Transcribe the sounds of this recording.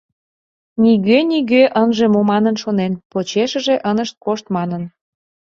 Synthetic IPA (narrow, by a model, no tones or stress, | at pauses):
niɣøniɣøʔənʒĕmomɑnənʃonenpot͡ɕeʃə̆ʒeʔənəʃt̪̚koʃt̪mɑnən